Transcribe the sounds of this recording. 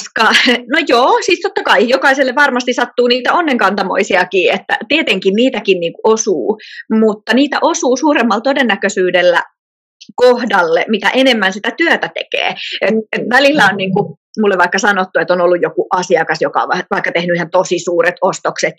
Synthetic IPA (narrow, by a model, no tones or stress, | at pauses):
skɑnojoːsist̪ot̪ːɑkɑijokɑiselːeʋʋɑrmɑst̪isɑt̪ːuːniːt̪æonːeŋkɑnt̪ɑmo̰isiɑkiːet̪ːæ̰t̪iet̪eŋkinniːt̪ækinniːŋkuʔosuːmut̪ːɑniːt̪æ̰ʔosuːsuːɾemːɑlt̪odenːækøsyːdelːæ̰ | kohdɑlːemit̪æ̰ʔenemːænsit̪æt̪yøt̪æt̪ḛkḛːet̪et̪ʋælilːæonniːŋku | mulːeʋʋɑikːɑsɑnot̪ːuet̪ːonolːujjokuʔɑsiɑkɑsjokɑ̰ʋɑʋɑikːɑt̪ehnyihent̪osisuːɾet̪ost̪okset̪